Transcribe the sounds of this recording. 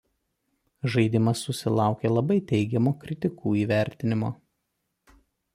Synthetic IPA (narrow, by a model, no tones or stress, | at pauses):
ʒɐɪd̪ʲɪmɐsːʊsʲɪlˠɑˑʊkʲelˠɐbɐɪt̪ʲɛɪɡʲɛmoːkɾʲɪt̪ʲɪkuːiːʋʲæˑɾʲt̪ʲɪnʲɪmo̰ː